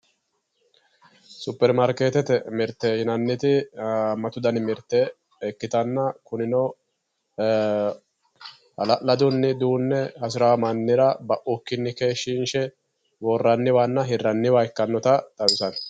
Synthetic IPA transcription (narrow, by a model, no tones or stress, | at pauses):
sʊpːɛɾmɐɾkeːt̪ɛt̪ɛmɪɾt̪ːɛhɪnɐnːɪt̪ɪmɐt̪ʊd̪ɐnɪmɪɾt̪ːɛ | ɛkːɪt̪ɐnːɐkʊnɪnɔ | ɐlɐʔlɐd̪ʊnːɪd̪uːnːɛhɐs̬ɪɾamɐnːɪɾɐbɐʔʊkːɪnːɪke̞ːʃɪnʃɛ | wɔrːɐnːɪwanːɐɦɪrːɐnːɪwɐkːɐnːɔt̪ɐt̪ʼɐwɪsɐn